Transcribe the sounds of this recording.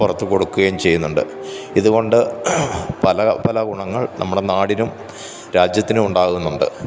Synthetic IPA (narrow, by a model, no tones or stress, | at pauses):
purɐt̪ːuko̞ɽukːuɣɐjumt͡ɕe̞junːuɳɖɨ̰ | iðuɣo̞ɳɖɨ | pɐlɐpɐlɐɡuɳɐŋːɐɭnʔɐ̰mːuɽe̞naːɽinum | ɾaːd͡ʑjɐt̪ːinɨuɳɖaːɣunːuɳɖɨ̰